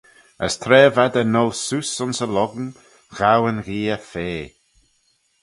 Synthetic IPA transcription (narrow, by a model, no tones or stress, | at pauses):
ə̰st̪ʰɾɛːvad̪ənɔlˠsusʊnsəlɔɡn | ɣ̥awənɣiːəfeː